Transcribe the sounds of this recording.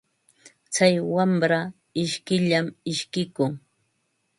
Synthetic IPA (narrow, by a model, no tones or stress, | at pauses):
t͡sajwamɾa | ɪʃkɪʎamɪʃkɪkʊŋ